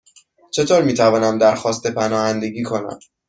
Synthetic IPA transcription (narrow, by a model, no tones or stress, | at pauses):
t͡ʃʰe̞t̪ʰoːɾmiːt̪ʰævɒːnæmd̪æɾxɒːst̪epʰænɒːhænd̪e̞ɟiːkʰo̞næ̰m